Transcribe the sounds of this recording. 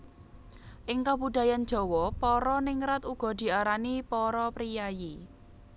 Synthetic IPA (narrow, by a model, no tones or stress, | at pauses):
ʔɪŋkabud̪̥a̤jan̥ʒ̥ɔ̤wɔpɔɾɔnɪŋɾat̪uɡ̥ɔ̤d̪̥i̤aɾanipɔɾɔpɾijaji